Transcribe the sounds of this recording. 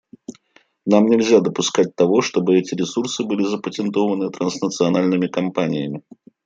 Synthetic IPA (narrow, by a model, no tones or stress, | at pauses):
namnʲɪlʲzʲad̪əpʊskat͡s̚ʲt̪avoʂt̪obɨɛt͡sʲɪɾʲɪsursɨbɨlʲizəpətʲɛnt̪ovənɨt̪ɾɐnsnət̪sɨanalʲnɨmʲɪkampanʲɪjəmʲɪ